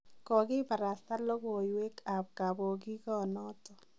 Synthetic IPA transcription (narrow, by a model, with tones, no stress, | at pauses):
kɔ˨kɪ˦pa˨ɾa˨sta˦lɔ˦ko˨jwe˦ka˨p̚ka˨bo˨k̬i˦kɔ˦nɔː˦tɔ˨